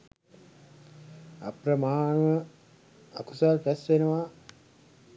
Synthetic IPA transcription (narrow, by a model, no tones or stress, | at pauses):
a̰prɐmaːɳʋə | a̰kusarpæsʋenəʋa